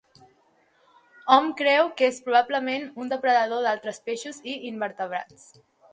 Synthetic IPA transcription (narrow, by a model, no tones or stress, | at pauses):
ɔmkɾɛwkespɾuβ̞abləmenund̪əpɾəðəð̞oðalˠt̪ɾəspeʃuziimbəɾt̪əβɾa̰t͡s